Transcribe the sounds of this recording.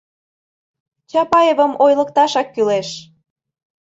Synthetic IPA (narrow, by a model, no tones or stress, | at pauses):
t͡ɕɑpɑjevə̆mojləkt̪ɑʃɑkːyleʃ